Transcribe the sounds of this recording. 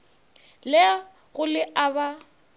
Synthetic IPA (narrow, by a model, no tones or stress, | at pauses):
lɛ | ɣʊlɪʔaβa